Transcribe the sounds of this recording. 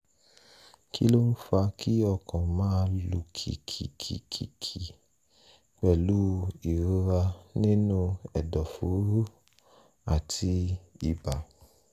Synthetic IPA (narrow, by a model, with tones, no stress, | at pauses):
kʰḭ˦lo˦n̩˦fa˧kʰi˦ɔ˧kʰã˨mãː˦˧lu˧˨kʰḭ˨kʰḭ˨kʰḭ˨kʰḭ˨kʰi˨ | k͡pɛ˦˨lu˦i˨ɾu˧˦ɾa˧nĩ˦nũ˦ɛ˨dɔ˨fu˨˦u˦ | a˦˨tʰi˧i˨ba˨